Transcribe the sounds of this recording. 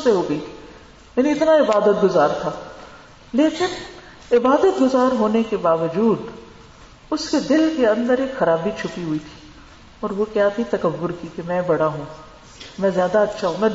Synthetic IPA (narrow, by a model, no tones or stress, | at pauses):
seɦoːɡɐi | mɛːniɪt̪naɪbaːd̪ət̪̚ɡʊzaːɾt̪ʰaː | leːkɪn | ɪbaːd̪ət̪̚ɡʊzaːɾɦoːnekebaːʋəd͡ʒuːd̪ | ʊsked̪ɪlkeɐ̃nd̪əɾeːkxɐɾaːbit͡ʃʰʊpiɦʊit̪ʰi̥ː | ɔːɾʋokjaːt̪ʰit̪ɐkəbːʊɾkikemɛ̃ːbɐɽaɦũː | mɛ̃ːzjaːd̪aɐtːʃʰaɦũːmɛ̃